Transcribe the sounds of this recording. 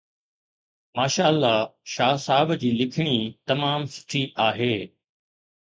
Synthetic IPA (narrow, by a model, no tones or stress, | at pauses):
maːʃaːəlːaʃaːsaːbd͡ʑiːlɪkʰɪɽ̃it̪ɐmaːmsɪ̥ʈʰiʔaːɦeː